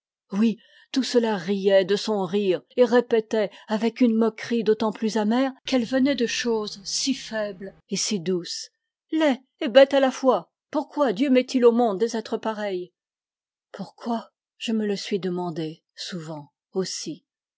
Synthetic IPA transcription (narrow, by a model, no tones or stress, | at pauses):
wi | t̪usəlaʁijɛd̪əsɔ̃ʁiʁeʁepet̪ɛavɛkynmɔkχid̪ot̪ɑ̃plyzamɛʁkɛlvənɛd̪əʃozsifɛbl | esid̪us | lɛ | ebɛt̪alafwa | puʁkwad̪jømɛt̪ʰilomɔ̃d̪ːezɛt̪χəpaʁɛj | puʁkwa | ʒ̥əmələsɥid̪əmɑ̃d̪e | suvɑ̃ | osi